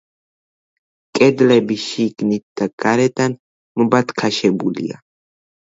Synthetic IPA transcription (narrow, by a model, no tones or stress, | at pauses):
kʼɛd̪lɛbiʃiɡnit̪̚d̪̥aɡ̥aɾɛd̪an | məbat̪kʰaʃɛbulḭa̰